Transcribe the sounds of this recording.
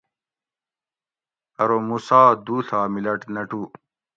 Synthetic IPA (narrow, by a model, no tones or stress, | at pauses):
ɐɾomusaːd̪uːt̪ʰaːmilɐʈnɐʈu